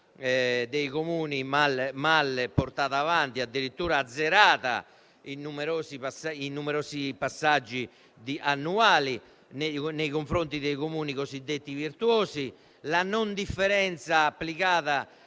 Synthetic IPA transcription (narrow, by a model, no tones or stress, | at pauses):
ɛd̪eiɣomuːnimalmalpoɾt̪aːðaːvant̪iad̪ːiɾit̪ːuːɾaːd̪zːɛɾaːða̰ | inːumɛɾoːsipasainumɛɾoːsipasːad͡ʒːi | d̪iʔanːuaːli | nenejɣoɱfɾont̪iðeiɣomuːniɣozid̪ːet̪ːiviɾt̪uoːzi | lanond̪ifːɛɾɛnt̪saːpːliɣaːða